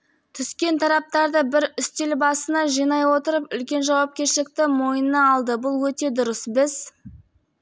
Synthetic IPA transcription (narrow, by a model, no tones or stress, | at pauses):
t̪ʰʏskʲe̞nt̪ʰɑɾɑp̚t̪ɑɾd̪əbɪɾʏst̪elbɑsənɑʒijnɑjwo̞t̪əɾəpʏlkʲe̞nʒɑwɑp̚kʲe̞ɾʃɪlɪk̚t̪ɪmo̞jənɑːlˠd̪əbʊlˠwɵt̪e̞d̪ʊɾəsbɪz